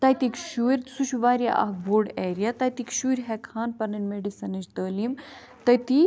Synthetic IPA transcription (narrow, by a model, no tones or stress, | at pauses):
t̪ɐjt̪ikʃuɾʲsuʃuʋaːɾʲja̰ʔɐ̰hboːɖeːɾijat̪ɐjt̪ikʃuɾʲɦɛkʰaːnpɐɾnɐnmeɖisɐnɐd͡ʒt̪əːlim | t̪ɐjt̪i